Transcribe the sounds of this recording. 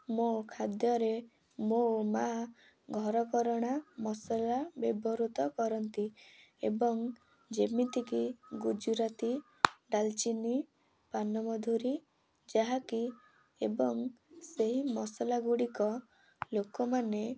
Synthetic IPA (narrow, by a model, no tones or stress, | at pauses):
mokʰad̪jɔɾe | moma | ɡʱɔɾɔkɔɾɔɽ̃amɔsɔlabebɔɾut̪ɔkɔɾɔnt̪i | ebɔŋ | d͡ʒemint̪ikiɡud͡ʒuɾat̪i | ɖalt͡ʃini | panɔmɔd̪ʱuɾi | d͡ʒaɦaki | ebɔŋseɦimɔsɔlaɡuɽikɔ | lokɔmane